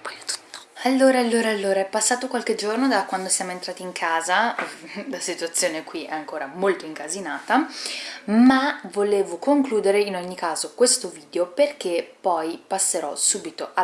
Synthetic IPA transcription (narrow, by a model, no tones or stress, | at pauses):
pɔjt̪ːalːoːɾaalːoːɾaːlːoːɾaɛpːasːaːt̪okwalked͡ʒornod̪akwand̪osjaːmoent̪ɾaːt̪iːŋkʰaːza | lasit̪uat̪sːjoːnekwiʔɛaŋkoːɾamolt̪oiŋkazinaːt̪a | mavoleːvokoŋkluːd̪eɾeinɔɲːikaːzokwest̪oviːd̪eoperk̟epːɔjpasːeɾɔsuːbit̪oʔa